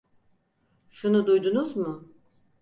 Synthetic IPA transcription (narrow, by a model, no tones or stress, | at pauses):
ʃunud̪ujd̪unuzmʊ